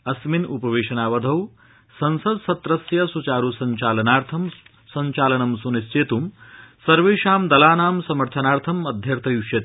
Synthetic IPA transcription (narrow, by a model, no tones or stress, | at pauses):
ɐsminupɐʋeːʂɐnaːʋɐd̪ʱɐw | sɐnsɐd̪sɐt̪ɾɐsjɐsut͡ʃaːɾuːsɐɲt͡ʃaːlɐnaːɾt̪ʰɐm | sɐɲt͡ʃaːlɐnɐmsunist͡ʃeːt̪umsɐɾʋeːʃaːmd̪ɐlaːnaːmsɐmɐɾt̪ʰɐnaːɾt̪ʰɐmɐd̪ʱjɐɾt̪ʰɐjuʃjɐt̪i